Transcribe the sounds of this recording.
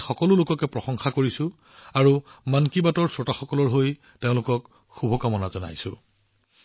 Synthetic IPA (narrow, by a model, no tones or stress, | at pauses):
xɔkɔlʊlʊkɔkɛpɹɔxɔŋxakoɹisʊ̃ | aɹumankibatɔɹsɹɔtaxɔkɔlɔɹɦoj | teʊ̃lʊkɔk | xubʱɔkamɔnazɔna̰jsʊ̰̃